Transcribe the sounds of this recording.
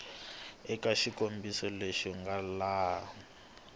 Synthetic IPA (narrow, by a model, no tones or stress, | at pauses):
ɛkaʃikʼombisɔleʃiŋɡalaː